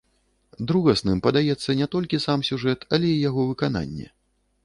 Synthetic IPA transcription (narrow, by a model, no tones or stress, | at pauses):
d̪ɾuɣɐsnɨmpɐd̪ajɛt̪sːɐnʲɛt̪ɔlʲkʲisamsʲuʐɛt̪ʰɐlʲɛijaɣɔvɨkana̰nʲːɛ̰